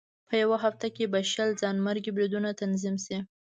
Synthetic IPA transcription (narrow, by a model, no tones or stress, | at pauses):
pʰəjawaɦaft̪akebaʃalzɑnmaɾɡibɾid̪unat̪anzimsi